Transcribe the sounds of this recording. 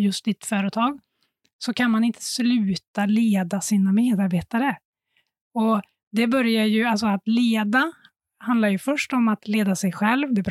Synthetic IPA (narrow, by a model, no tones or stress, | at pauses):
jɵst̪ɪt̪fœːɾət̪ʰɑːɡ | sɔkʰanmanɪnt̪ʰə̥slʉ̟ːt̪aleːd̪asiːnameːd̪aɾbeːt̪aɾə | ɔ | d̪ɛbœɾjajɵals̬ɔat̪leːd̪a | hand̪laɾjɵfœʂʈɔmat̪leːd̪asɛjɧɛlvd̪ɛb